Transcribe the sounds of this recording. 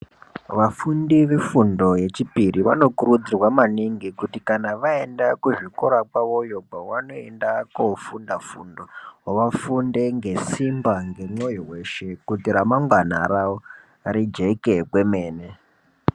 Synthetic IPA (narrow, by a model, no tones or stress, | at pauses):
ʋafundiʋefundo̞je̞t͡ʃipiriʋa̰no̞kuɾud͡zirwamaniŋɡikutikanaʋae̞ndakuʐikoɾakwaʋo̞jobʱawano̞e̞ndakofundafṵndowaʋafunde̞ŋɡe̞simbaŋɡe̞ŋ͡ǀojiɦwe̞ʃe̞kutiɾamaŋɡwana̰ɾao | ɾid͡ʒe̞kekwemeːne